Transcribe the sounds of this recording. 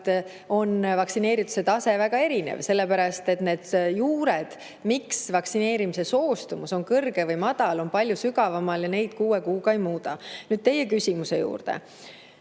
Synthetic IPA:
t̪ | o̞nvɑksine̞ːɾit̪ːˑu̥se̞t̪ɑse̞væɡ̥ɑe̞ɾinḛvse̞lːepæɾɑst̪e̞t̪ne̞ːd̪̥juːɾed̪̥ | miksvɑksine̞ːɾimise̞so̞ːst̪umuso̞ŋkɤrɡ̥e̞vɯjmɑd̪̥ɑlo̞npɑlʲjusyɡɑvɑmɑljɑne̞jd̪̥kuːekuːɡɑejmuːd̪ɑnyːd̪̥̚t̪e̞jːe̞kysʲimuse̞jṵːrd̪̥ḛ

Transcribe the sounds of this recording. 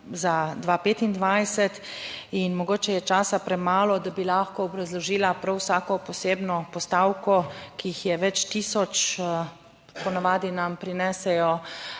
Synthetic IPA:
zad̪ʋaːpeːt̪ind̪ʋajsɛt̪inmɔɡoːt͡ʃɛjɛt͡ʃaːsapɾɛmaːlɔd̪abilaxkɔːbɾazlɔʒiːlapɾawsaːkɔpɔseːbnɔpɔst̪awkɔkijixjɛʋɛt͡ʃt̪iːsɔt͡ʃ | pɔnaʋaːd̪inampɾinɛsɛjɔ

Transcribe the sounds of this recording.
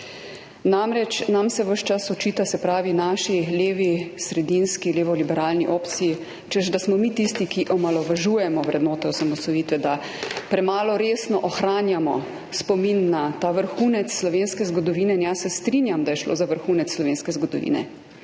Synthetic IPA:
namɾɛt͡ʃnamsɛʋəʃt͡ʃasɔt͡ʃiːt̪asɛpɾaːʋinaːʃileːʋisɾɛd̪inskileːʋɔlibɛɾaːlniʔoːpt̪sijː | t͡ʃəʃd̪asmɔmiːt̪ist̪ikiʔɔmalɔʋaʒuːjɛmɔʋɾɛd̪noːt̪ɛɔsamɔsɔjiːt̪ʋɛd̪a | pɾɛmaːlɔɾeːsnɔʔɔxɾaːnjamɔ | spɔminːat̪aːʋəɾxuːnɛt̪sːlɔʋeːnskɛzɡɔd̪ɔʋiːnɛinjasɛst̪ɾinjamd̪ajɛʃlo̰ːzaʋəɾxuːnɛt̪ssːlɔʋeːnskɛzɡɔd̪ɔʋḭːnɛ̰

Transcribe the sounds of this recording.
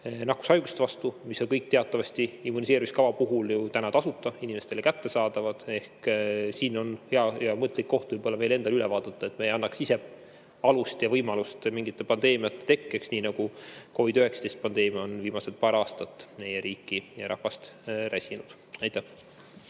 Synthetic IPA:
nɑku̥sɑjɡ̥ust̪vɑst̪umisonkɤjk̚ːt̪e̞ɑt̪ːˑɑvɑst̪iimːunis̬eːɾimiskɑvɑpuɦuljut̪ænɑt̪ɑsut̪ːˑɑ̥inime̞st̪e̞lekæt̪ːe̞sɑːd̪̥ɑvɑd̪̥e̞hksiːno̞nheɑɑmɤt̪ːˑlikːo̞ht̪vɤjb̥o̞lːɑve̞ːle̞nd̪ɑlylɛvɑːd̪̥ɑt̪ːˑɑe̞t̪ːmejɑnːɑksise̞ | ɑlust̪jɑvɤjmɑlust̪miŋɡit̪ːˑe̞pɑnd̪e̞ːmiɑt̪ːˑe̥t̪e̞kːeksniːnɑɡuko̞vid̪yheksɑt̪e̞jst̪̚pɑnd̪̥e̞ːmiɑonviːmɑselt̪̚pɑːɾɑːst̪ɑt̪ːˑme̞jeɾiːkˑːijeɾɑ̰hvɑst̪ɾæsʲinud̪̥ | ɑjt̪ːæh

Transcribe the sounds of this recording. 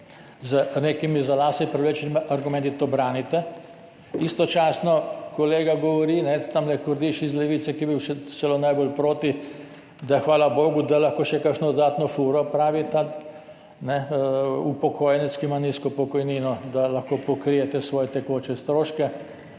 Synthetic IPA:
zənekimizalaːsipɾɛʋlet͡ʃnimʔaɾɡʊmɛ̃nt̪it̪obɾaːnit̪ɛ | ist̪ɔt͡ʃaːsnɔkɔleːɡaɡɔʋɔɾiːnɛt̪amlɛkɔɾd̪iʃizlɛʋit̪sɛkiɛbiwʃɛsɛlonajbolpɾoːt̪i | d̪axʋaːlaboːɡud̪alaxkoːʃɛkakʃnɔd̪ɔd̪aːt̪nɔfuɾɔpɾaːʋit̪a | nɛupɔkʰoːjɛnɛskimaniskɔpɔkɔjniːnɔd̪alaxkoːpɔkɾijɛt̪ɛsʋɔːjɛt̪ɛkot͡ʃɛst̪ɾoːʃkɛ

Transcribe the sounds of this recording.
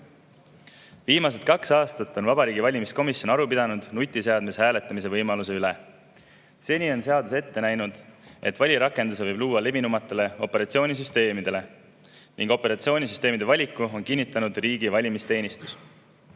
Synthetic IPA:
viːmɑs̬e̞t̪̚kɑksɑːst̪ɑt̪ːˑo̞nvɑbɑɾiːɡivɑlʲimisko̞misjo̞nɑɾupid̪ɑnud̪̥nut̪ʲˑːise̞ɑd̪̥misehæːle̞t̪ːˑɑmise̞vɤjmɑluse̞yle | se̞ːnʲio̞nse̞ɑd̪use̞t̪ːe̞næjnud̪̥e̞t̪vɑlʲiɾɑkːˑe̞nd̪us̬e̞vɤjbluːwɑle̞vinumɑt̪ːˑe̞le̞o̞pːˑe̞ɾɑt̪sio̞ːnʲis̬yst̪e̞ːmid̪̥e̞le̞ | niŋɡo̞pːe̞ɾɑt̪sio̞ːnʲisyst̪e̞ːmid̪̥evɑlʲikːˑuo̞nkinːit̪ːˑɑnud̪riːɡivɑlʲimist̪e̞ːnist̪u̥s

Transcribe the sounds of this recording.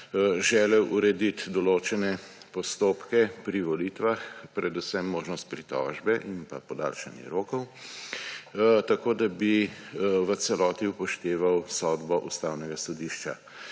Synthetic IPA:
ʒɛːlɛwʔuɾɛd̪it̪d̪ɔloːt͡ʃɛnɛ | pɔst̪oːpkɛpɾiʋɔlit̪ʋaxpɾɛd̪usɛmːoːʒnɔst̪̚pɾit̪ɔ̰ʒbɛʔimpa̰pɔd̪a̰ːlʃanjɛ̰ɾoːkɔw | t̪akoːd̪abi | ʋəsɛlɔːt̪iupɔʃt̪eːʋawsɔd̪bɔʔust̪aːwnɛɡasɔd̪iʃt͡ʃa̰

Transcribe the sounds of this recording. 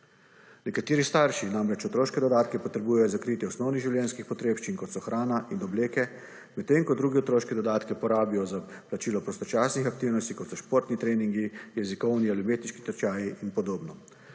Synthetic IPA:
nɛkat̪eːɾist̪aɾʃinamɾɛt͡ʃɔt̪ɾoːʃkɛd̪ɔd̪aːt̪kɛpɔt̪ɾɛbuːjɛjɔzakɾit̪jɛɔsnɔwniɣʒiwljɛnskixpɔt̪ɾeːpʃt͡ʃinkɔt̪sɔxɾʔaːnaʔinɔbleːkɛ | mɛt̪ːeːŋkɔd̪ɾuːɡɛɔt̪ɾoːʃkɛd̪ɔd̪aːt̪kɛpɔɾaːbijɔzaplat͡ʃiːlɔpɾɔst̪ɔt͡ʃaːsnixak̚t̪iwnɔst̪ikɔt̪sɔʃpoːɾt̪nit̪ɾeːniŋɡijɛzikɔwnialimeːt̪niʃki̥t̪əɾt͡ʃaːjiʔinpɔd̪oːbnɔ

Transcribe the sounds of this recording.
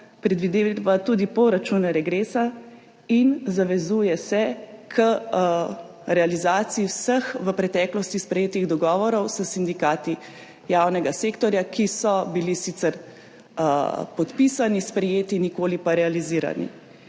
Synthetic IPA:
pɾɛd̪ʋid̪eʋat̪uːd̪ipɔɾat͡ʃuːnɾɛɡɾeːsa | inzaʋɛzuːjɛsɛkʰə | ɾɛalizaːt̪siiwsəxʋəpɾɛt̪ɛːklɔst̪ispɾɛjeːt̪iɣd̪ɔɡɔːʋɔɾɔwsəsind̪ikaːt̪i | jaːwnɛɡaseːkt̪ɔɾjakʰisɔbilisiːt̪sɛɾ | pɔt̪pisanispɾɛjeːt̪inikoːlipaɾɛaliziːɾa̰nḭ

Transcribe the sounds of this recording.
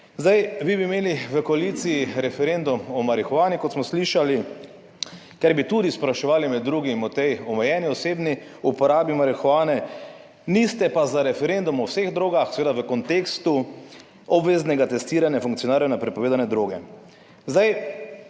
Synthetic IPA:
zd̪ajʋibimeːliʋəkɔalit̪sijiɾɛfɛɾend̪umɔmaɾixɔʋaːnikɔt̪smɔsliʃali | kaɾbit̪ud̪ispɾaʃɛʋaːlimɛd̪ːɾuːɡimɔt̪ɛjɔmɛjɛːniɔseːbni | upɔɾaːbimaɾixɔʋaːnɛ | nist̪ɛpazaɾɛfɛɾend̪umɔwseɣd̪ɾoːɡaxsɛʋeːd̪aʋəkɔnt̪eːkst̪u | ɔbʋeːznɛɡat̪ɛst̪iːɾanjafuŋkt̪sioɔnaːɾjanapɾɛpɔʋeːd̪anɛd̪ɾoːɡɛ̰ | zd̪aj

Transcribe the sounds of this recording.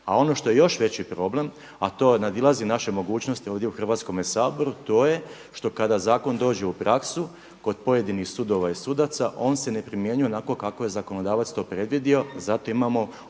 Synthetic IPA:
a̰o̞no̞ʃt̪o̞jejo̞ʃʋe̞t͡ɕipɾo̞ble̞m | at̪o̞ːnad̪ilˠazinaʃemo̞ɡuːt͡ɕno̞st̪io̞ːʋd̪jeuxr̩ʋaːt̪sko̞mesaːbo̞ɾut̪o̞ːje̞ | ʃt̪o̞kad̪azaːko̞nd̪o̞ːd͡ʑe̞upɾaksu | ko̞d̪̚po̞je̞d̪inixsud̪o̞ʋaisud̪at̪saʔo̞ːnse̞ne̞pɾimje̞ɲue̞nako̞kako̞je̞zako̞no̞d̪aːʋat̪st̪o̞ːpɾe̞d̪ʋid̪io̞zat̪o̞imamo̞

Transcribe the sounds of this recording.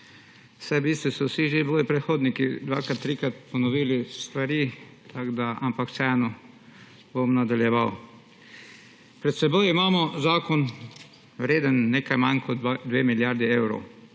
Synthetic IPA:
sajbiːst̪ʋɔsɔwsiʒeboːjipɾɛt̪xoːd̪nikid̪ʋa̰ːkɾat̪ːɾiːkɾat̪pɔnɔʋiːlist̪ʋaɾiːt̪ʰaɡd̪aʔa̰mpaksɛɛnɔ | bomnad̪aljɛʋaw | pɾɛt̪sɛbojimaːmɔzaːkɔn | wɾeːd̪ənːeːkajmankʰɔd̪d̪ʋeːmiljaɾd̪iewɾo̰w

